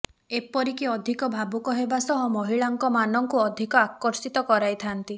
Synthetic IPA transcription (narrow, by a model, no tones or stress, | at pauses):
epɔɾikiɔd̪ʱikɔbʱabukɔɦebasɔɦɔmɔɦiɭaŋkɔmanɔŋkuɔd̪ʱikɔakːɔɾsit̪ɔkɔɾajt̪ʰant̪i